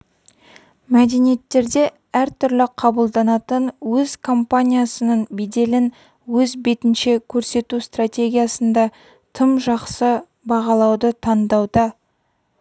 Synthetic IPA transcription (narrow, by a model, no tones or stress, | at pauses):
mæd̪e̞nije̞t̪ːe̞ɾd̪e̞ | æɾt̪ʰʏɾlɪqʰɑbəlˠd̪ɑnɑt̪ənwɵzkʰo̞mpanʲijasənənbed̪e̞lɪn | wɵzbe̞t̪ɪnʃe̞kʲʰɵɾse̞t̪ust̪rat̪ʲe̞ɡʲijasənd̪ɑ | t̪ʰəmʒɑqsə | bɑʁɑlˠɑwd̪ət̪ʰɑnd̪ɑwd̪ɑ